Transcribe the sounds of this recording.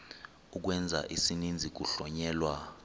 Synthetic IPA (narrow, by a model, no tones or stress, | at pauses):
uk̬wɛnd͡zʱa̰ʔisinind͡zʱik̬uɬɔɲɛːlwa